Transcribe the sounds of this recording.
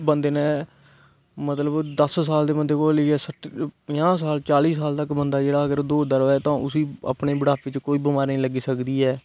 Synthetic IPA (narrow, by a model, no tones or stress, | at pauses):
bənd̪eːnẽː | mət̪ləbd̪əssaːld̪eːmənd̪eːkoːlɪɛːsəʈpəãːs̬aːlt͡ʃaːliːsaːlt̪əkbənd̪aːd͡ʒeːɽaːəɡəɾd̪oːd̪əɾʋɛːt̪ãːʔʊsiːə̰pɳeːbəɽaːpʋɪt͡ʃkoːiːbɪmaːɾnĩːləɡiːsəkd̪iːɛː